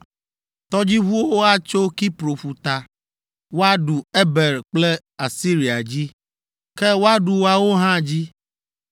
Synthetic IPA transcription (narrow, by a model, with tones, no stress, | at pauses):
t̪ɔ˦d͡ʑi˦βu˦wo˦wo˦a˦t͡ʃo˦ki˦pɾo˨ɸu˨t̪a˨ | wo˦a˦ɖu˨e˦be˨ɾk͡ple˦ | a˨si˦ɾi˨a˨d͡ʑi˦ | ke˦wo˦a˦ɖu˨wo˦a˨wo˦ɦã˦d͡ʑi˦